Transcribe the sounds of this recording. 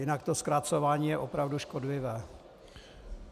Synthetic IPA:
jɪnakt̪o̞skɾat͡so̞vaːɲiːjɛʔopɾavduʃkodlɪvɛː

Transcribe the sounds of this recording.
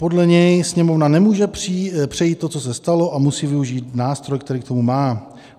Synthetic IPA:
po̞dlɛɲɛjsɲɛmo̞vnanɛmuːʒɛpripr̥ɛjiːt̪ːo̞t͡so̞s̬ɛst̪alo̞ʔamusiːvɪuʒiːt̪naːst̪ɾo̞jkt̪ɛɾiːkt̪o̞mumaː

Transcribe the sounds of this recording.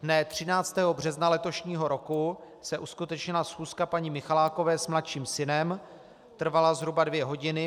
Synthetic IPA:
dnɛt̪r̝̥ɪnaːt͡st̪ɛːɦo̞br̝ɛznalɛt̪o̞ʃɲiːɦo̞ɾo̞ku | sɛʔuskut̪ɛt͡ʃɲɪlasxuːskapaɲɪmɪxalaːko̞vɛːsmlat̪ʃiːmsɪnɛm | t̪r̩valazɦɾubadvjɛɦo̞ɟɪnɪ

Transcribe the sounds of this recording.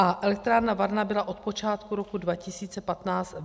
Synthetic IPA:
ʔaʔɛlɛk̚t̪ɾaːɾnavaɾnabɪlaʔo̞t̪̚po̞t͡ʃaːt̪kuɾo̞kudvacɪsiːt͡sɛpat̪naːt͡st̪

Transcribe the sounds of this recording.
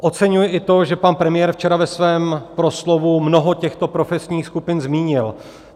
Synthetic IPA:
ʔo̞t͡sɛɲujɪʔɪt̪o̞ʒɛpanpɾɛmɪjɛːɾft͡ʃɛɾavɛsvɛːmpɾo̞slo̞vumno̞ɦo̞cɛxt̪o̞pɾo̞fɛsɲiːxskupɪnzmiːɲɪl

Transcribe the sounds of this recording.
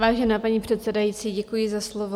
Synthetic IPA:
vaːʒɛnaːpaɲiːpr̥ɛt̪sɛdajitt͡siːɟɛkujɪzaslovo

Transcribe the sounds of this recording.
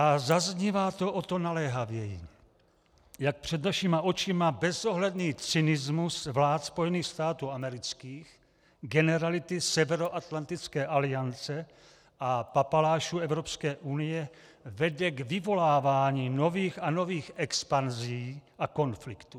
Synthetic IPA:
ʔazazɲivaːt̪o̞ʔot̪o̞nalɛɦavjɛjḭ | jak̚pr̝̥ɛd̪naʃimaʔo̞t͡ʃɪmabɛzo̞ɦlɛdniːt͡sɪnɪzmusvlaːt̪spo̞jɛniːxst̪aːt̪uːamɛɾɪt͡skiːx | ɡɛnɛɾalɪt̪ɪsɛvɛɾo̞ʔat̪lant̪ɪt͡skɛːʔalɪjant͡sɛ | ʔapapalaːʃuɛvɾo̞pskɛːʔunɪjɛ | vɛdɛɡvɪvo̞laːvaːɲiːno̞viːxano̞viːxʔɛkspanziiːʔako̞nflɪkt̪u

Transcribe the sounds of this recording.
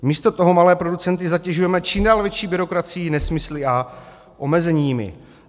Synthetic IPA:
miːst̪o̞t̪o̞ɦomalɛːpɾo̞dut͡sɛnt̪ɪzacɛʒujɛmɛt͡ʃiːmdaːlvjɛt͡ʃiːbɪɾo̞kɾat͡sɪjinɛsmɪslɪʔa | ʔo̞mɛzɛɲiːmɪ̰

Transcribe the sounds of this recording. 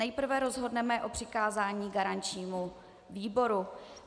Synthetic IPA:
ɛjpr̩vɛɾo̞zɦo̞dnɛmɛʔo̞pr̝̥ɪkaːzaːɲiːɡaɾant͡ʃɲiːmu | viːbo̞ɾu

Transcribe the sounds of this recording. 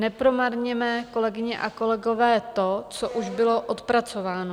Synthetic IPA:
nɛpɾo̞maɾɲɛmɛːko̞lɛɡɪɲɛʔa̰ko̞lɛɡo̞vɛːt̪o̞t͡soʔuʒbɪlo̞ʔot̪pɾat͡so̞vaːno

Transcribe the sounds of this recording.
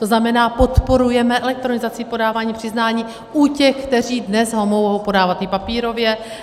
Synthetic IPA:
t̪o̞znamɛnaːpo̞t̪po̞ɾujɛmɛʔɛlɛk̚t̪ɾo̞nɪzat͡sɪpo̞daːvaːɲiːpr̥ɪznaːɲiː | ʔucɛxkt̪ɛriːdnɛsɦo̞moɦɦowpo̞daːvat̪ːɪpapiːɾo̞vjɛ

